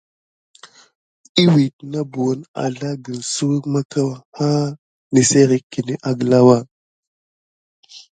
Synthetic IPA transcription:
i˦wi˨t̚na˦bu˨wo˦na̰˨ɮa˦ɡə˨n˨su˦wə˦kma˦ka˦wa˨ha˦ | ni˨se˦ɾi˨kːi˨ni˦ʔa˨ɡə˨la˦wa˦˨

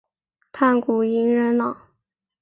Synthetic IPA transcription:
t̪ʰa˥˩nku˨˩i˧˥ŋɻə˧˥nlɑ˨˩˦

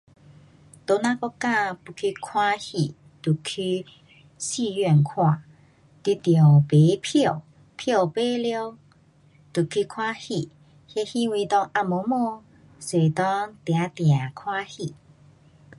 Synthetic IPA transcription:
t̪o˧nã˦kɔ˦ka˥˧˨pu˧˩kʰi˧kʰwa˦hi˨ | t̪u˨˩kʰy˧ | si˥˧˨jɥɛ˥˧˨nkʰwã˨ | t̪i˧˦t̪jo˨˩pe˨˦pʰɔ˥˨ | pʰjɔ˥˧˨pe˦ljɔ˦ | t̪u˨˩kʰi˧˦kʰwa˦hi˧˨ | hjɛ˧hi˦wi˧t̪ɔ˧ŋʔa˧mo˨˦mɔ˧ | swe˨˩t̪ɔ˦ŋt̪ja˨˦t̪j̃ã˨˩kʰwa˦hi˧˨

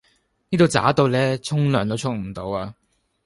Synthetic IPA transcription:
niː˥t̪o˨˧wt͡sa̰ː˨˥t̪o˧wlɛː˥t͡sʰʊ˥ŋlœː˨˩ŋt̪o˨˥wt͡ʃʰʊ˥k̚m̩˨˩t̪o˨˧waː˧

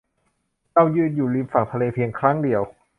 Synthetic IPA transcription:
t͡ɕa˥˩wjɯː˧˥˩n̚juː˨˩liː˧˥mfa˨˩ŋt̪ʰa˧leː˧pʰi˧əŋkʰɾa˦˥˩ŋdi˨˧əw

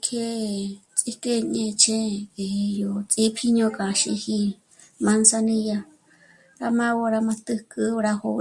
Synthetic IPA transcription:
kʰe˧t͡sʼi˦ke˧ɲẽ˧t͡ʃʰẽ˦ke˨e˧jo˧t͡sʼi˦pʰi˧ɲõ˧kʼã˨ʃḭ˧hi˧ | mã˧˦nsa˧nĩ˧ja˧ | ɾa˧mã˦wo˧ɾa˧mã˧t̪ɨ˧kʼɨ˧ɾa˧ho˧

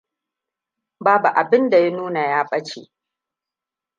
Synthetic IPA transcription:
baː˦bu˨ʔa˨bɪ˦nda˨ja˦nuː˦na˨jaː˦ɸʼɐ˦t͡ʃḛː˨ʔ

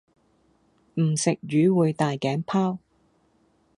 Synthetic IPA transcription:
m̩˨˩sɪ˨k̚ɥyː˨˧wuː˨˧jt̪aː˨jkɛː˨˥ŋpʰaː˥w

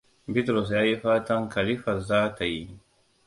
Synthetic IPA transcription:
bit̪ɾos̬ja˦jifaː˦t̪a˦ŋka˨lifa˨zaː˦t̪a˨ji

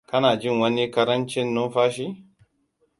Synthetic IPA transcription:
kɐ˦naː˨d͡ʒi˦nwɐ˦ni˦kɐ˦ɾɐ˦nt͡ʃi˦nːʊ˦nfaː˦ʃi˦

